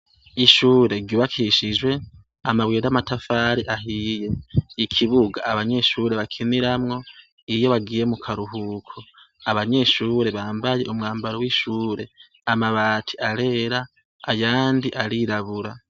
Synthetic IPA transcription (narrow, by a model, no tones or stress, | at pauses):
iʃuːɾe̞ɡɟuːβakʰiʃid͡ʒwe̞ | amaβwiːɾamatafaːɾiʔaɦije̞ikʰiβuɡaːβaɲe̞ʃuɾe̞βakʰiniɾamŋo̞ | ijo̞βaɡiːje̞mukʰaɾuɦukʰo | aβaɲe̞ʃuːɾe̞βaːmbaje̞̰ʔumŋaːmbaɾowiʃuːɾe̞ | amaβaːtʰi̥ʔaɾe̞ɾa | ajaːndiʔaɾiɾaβuɾa